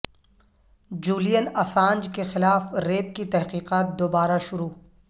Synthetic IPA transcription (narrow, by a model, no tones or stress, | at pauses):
d͡ʒuːlijənɐsãːnd͡ʒkexɪlaːfɾeːp̚kit̪ɛɦqiːqaːt̪̚d̪oːbaːɾaʃʊɾuː